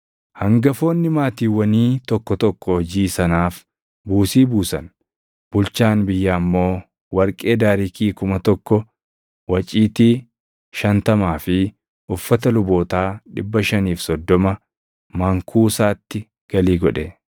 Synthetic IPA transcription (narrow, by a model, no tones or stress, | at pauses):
hɐŋɡɐfo̞ːnːɪmaːt̪iːwɐniːt̪ɔkːɔt̪ɔkːɔɔd͡ʒiːsɐnaːf | buːsiːbuːsɐn | b̥ʊlt͡ʃaːnbɪjːaːmːo̞ː | wɐɾkʼe̞ːd̪aːɾɪkiːkʊmɐt̪ɔkːɔ | wɐt͡ʃʼiːt̪i | ʃɐnt̪ɐmaːfɪ | ʔʊfːɐt̪ɐlʊbo̞ːt̪aːᶑɪbːɐʃɐniːfsɔd̪ːɔmɐ | mɐŋkʰuːsaːt̪ːɪ | ɡ̥ɐliːɡɔᶑɛ